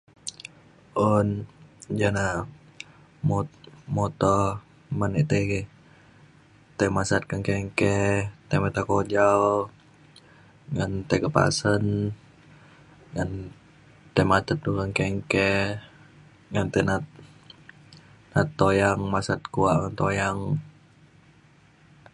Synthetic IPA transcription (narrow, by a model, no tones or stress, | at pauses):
ond͡ʒana | mɔtmɔt̪ɔ | manɛʔt̪eɡ | t̪emasat̪̚kaŋkɛŋkɛt̪emat̪akod͡ʒaw | ŋant̪ekəpa̰sən | ŋan | t̪emat̪ət̪̚dukaŋkɛŋkɛ | ŋant̪ɛnat̪̚ | nat̪ːojaŋmasat̪̚kuaʔŋant̪ojaŋ